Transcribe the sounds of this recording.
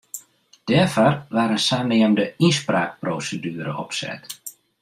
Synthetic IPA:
d̥ɛːrfɔrʋaːɾənsaːneəmdəispraːk̚proːsədyːɾəɔpsɛ̰t

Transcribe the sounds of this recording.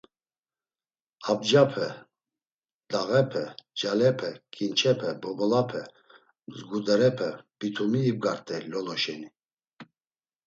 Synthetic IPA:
ab̚d͡ʒapʰɛ | d̪aɣɛpʰɛd͡ʒalɛpʰɛkʼint͡ʃʰɛpʰɛbɔbɔlapʰɛ | zɡud̪ɛɾɛpʰɛb̥it̪ʰumiːb̚ɡaɾt̪ʼɛlɔlɔʃɛni

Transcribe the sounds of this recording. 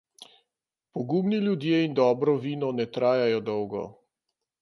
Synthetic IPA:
pɔɡuːmniljud̪jeːind̪ɔːbɾɔʋiːnɔnɛt̪ɾaːjajɔd̪ɔwɡɔ̰

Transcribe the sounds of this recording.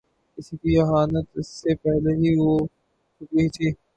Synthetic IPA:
ɪskiːɐɦaːnət̪ɪsːepɛɦleɦiːʋoː | t͡ʃʊket̪ʰiː

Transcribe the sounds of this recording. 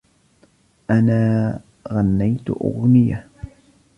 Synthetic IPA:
ʔanaː | ɣanːajt̪ʊʔʊ̰ɣnɪja

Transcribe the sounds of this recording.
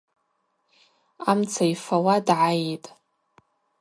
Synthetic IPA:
amt͡sʰaijfawadʕajetʼ

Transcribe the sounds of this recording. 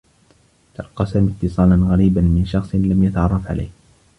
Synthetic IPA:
t̪ɑlqɑsamɪt̪ːɨsˤɑːlanɣaɾiːbanmɪnʃɑxsˤlamjat̪aʕɑrˤːɑfʕa̰lʔa̰jh

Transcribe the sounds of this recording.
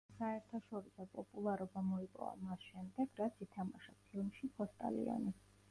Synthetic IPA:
saɛɾt̪ʰaʃɔɾisɔpʼɔpʼulˠaɾɔbamɔipʼɔ̰va̰masʃɛmd̪ɛɡ̥ɾat̪sʰit̪ʰamaʃapʰilˠmʃipʰɔst̪ʼa̰lḭɔ̰ni

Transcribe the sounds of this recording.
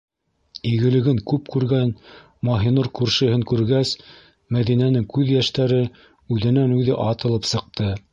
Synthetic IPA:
iɡɘ̆lɘ̆ɡɘŋkʉpkʉɾɡæn | mɑɦinuɾkʉɾʃɘ̆ɦɘŋkʉɾɡæs | mæðinænɘŋkʉðjæʃt̪æɾɘ | ʉðɘ̆nænʉðɘʔɑt̪ɤ̆lˠɤpsɤ̆q̚t̪ɤ

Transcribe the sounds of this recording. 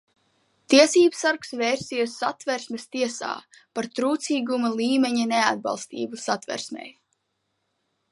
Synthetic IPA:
t̪iɛsiːbsaɾksveːɾsijsːat̪vɛɾsʲmest̪iɛsa̰ːpaɾt̪ɾuːt̪siːɡumalˠiːmeɲanead̪̚bɑ̰lˠst̪ḭːbusat̪vɛ̰ɾsmʲɛ̰j

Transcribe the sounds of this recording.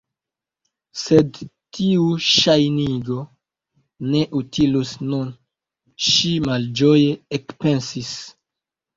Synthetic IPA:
sedtiuʃajniɡo̞ | ne̞ʔutʰilusnun | ʃimald͡ʒo̞jeekpe̞nsis

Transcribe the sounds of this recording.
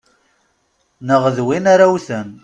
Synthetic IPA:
nəʁðwinaɾawθən

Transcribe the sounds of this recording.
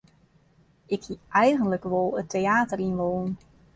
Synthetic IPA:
ʔɪkhiːʔɛjχəndləkʋɔlˠətːeaːtərinʋoːn

